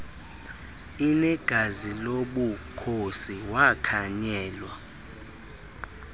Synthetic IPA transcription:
inɛɡ̥ʱaziloɓukʰosiwakʰaɲɛːlwa

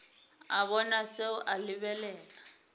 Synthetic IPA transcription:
aβɔnaseʊʔalɪβɛlɛːla

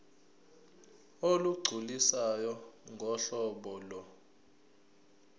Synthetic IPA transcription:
oluɡ͡ǀʱulisajɔŋɡʱɔɬɔɓɔlɔ

